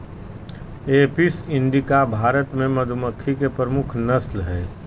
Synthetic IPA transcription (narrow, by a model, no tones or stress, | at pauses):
eːpisɪ̃ɳɖikabʱaːɾət̪mẽmɐd̪ʱʊməkʰːikepɾəmʊkʰnɐslɦɛː